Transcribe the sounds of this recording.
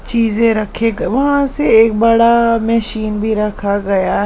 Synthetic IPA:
t͡ʃiːzẽɾɐkʰeɡʋɐɦãseeːk̚bəɽamɛʃiːnbʱiɾɐkʰaɡɐjaː

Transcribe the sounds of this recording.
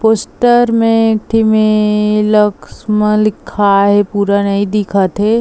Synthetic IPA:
poːsʈəɾmẽk̚ʈʰimẽləksmə̃lɪkʰaɦɛpuːɾanɐɦĩd̪ɪkʰət̪ɦɛ

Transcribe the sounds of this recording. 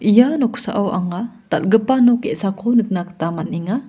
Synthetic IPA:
ʔijanoku̥sa̰ʔawʔaŋat̪a̰lɡəpanokeʔsakʰonək̚nakə̥t̪amat̪̚niŋa

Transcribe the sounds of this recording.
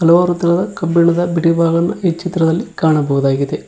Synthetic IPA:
ɐlɐʋaːɾut̪ːɐnɐd̪ɐkɐmbiɳɐd̪ɐbiʈibʱaːɡɐnːɐet͡ʃːit̪ɾɐd̪ɐlːikaːɳɐbɐʋɐd̪aːɡid̪e

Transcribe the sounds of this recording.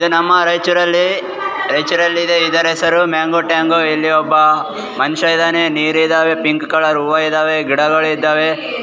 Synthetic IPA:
id̪unɐmːɐɾɐjt͡ʃuɾɐlːi | ɾɐjt͡ʃuɾɐlːid̪eid̪ɐɾɛsɐɾumaːŋɡoʈaːŋɡoilːiɔbːɐ | mɐnʃɐid̪aːneniːɾid̪aːʋe̞piŋkkɐɭɐɾuːʋɐid̪aːʋe̞ɡiɽɐɡɐɭuid̪ːaːʋe

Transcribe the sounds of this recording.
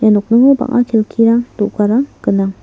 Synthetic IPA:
januk̚nɯŋɯba̰ŋʔa̰kʰelkʰiɾaŋd̥ɔʔɡaɾaŋkɯnaŋ

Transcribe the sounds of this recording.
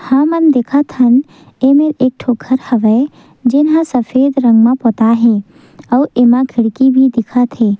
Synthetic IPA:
hãmənd̪ekʰat̪ʰən | emeɾeːk̚ʈʰoːkʰəɾhəʋəe | d͡ʒɪnɦãsəfʰeːd̪ɾə̃ŋɡmãpɔt̪aɦɛ̃ | ɔwemãɡʰʱɪɽkibʱid̪ɪkʰat̪ʰeː

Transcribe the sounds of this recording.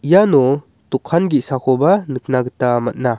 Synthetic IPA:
ijanɔ | tukʰːanɡiʔsakʰɔbanɯk̚naɡɯtamat̚na

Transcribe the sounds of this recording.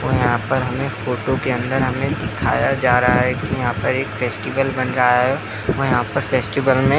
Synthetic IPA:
ʋoːjɐɦãpɐɾɦɐmẽfoːʈokeɐ̃nd̪əɾɦɐmẽd̪ɪkʰa̰ːjad͡ʒaːɾɐɦaɦɛkijɐɦãːpɐɾeːkfɛːsʈiʋəlbɐnɾaːjaɦɛ | ʋoːjɐɦãpɐɾfɛːsʈiʋəlmẽ

